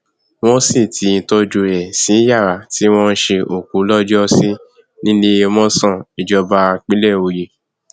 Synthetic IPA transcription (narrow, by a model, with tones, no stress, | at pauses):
w̃ɔ̃˦si˦˨tʰi˨˧˦n̩˧tɔ˧d͡ʒu˧ɛ˨sĩ˨˦ja˦˨ɾa˨ti˦w̃ɔ̃˦n̩˦ʃe˧ʔo˨ku˨˦lɔ˦d͡ʒɔ˦se˦ | nĩ˦le˦wɔ̃˦sã˦˨i˨d͡ʒɔ˧ba˧k͡pi˦lɛ˦˨o˧je˧˨